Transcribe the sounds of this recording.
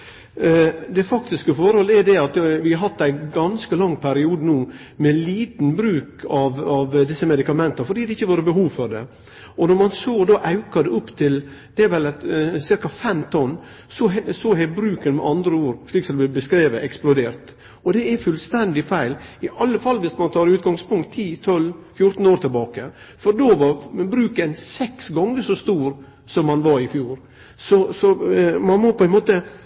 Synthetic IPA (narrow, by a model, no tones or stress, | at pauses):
d̪ɛfɑkt̪ɪskəfɔɾhɔləɛɾd̪ɛɑt̪ʋɪhɑɾɦɑt̪ːæɪɡɑnskəlɑŋːpʰæɾɪuːd̪ənuː | mɛliːt̪n̩bɾʉːkɑʋɑʋd̪ɪsːəmɛd̪ɪkɑmɛnt̪ɑfɔɾɖ̪iːd̪ɛɪçːəʋoːɾəbəɦuːʋfɔɾd̪ɛ̰ | ɔnɔɾmɑnsoːd̪ɑːʔɑʉkɑd̪ɛʊpːt̪ʰɪl | d̪̥ɛæʋɛlsɪɾkɑfɛmt̪ʰɔnː | sɔɛsɔɦɛbɾʉːkənmɛ̰ʔɑnd̪ɾəuːɾʂɭiːksɔd̪ɛb̪bəskɾeːʋəʔɛksplʊd̪eːɾt̪ | ɔd̪ɛɛfʉlst̪ɛnd̪ɪfæɪlɪʔɑlːəfɑlːʋɪsmɑnt̪ʰɑːɾʉːt̪̚ɡɑŋspʰʊŋk̚t̪ʰːiːt̪ʰɔlfjʊɾt̪n̩oːɾt̪ʰɪlbɑːkə | fɔɾd̪oːʋɑɾbɾʉːkɛnsɛksɡɑŋːəʂɔst̪uːɾ | sɔmhɑnʋɑɾɪfjuːɾ | sɔsɔmɑnmɔpʰɔɛnmoːt̪ə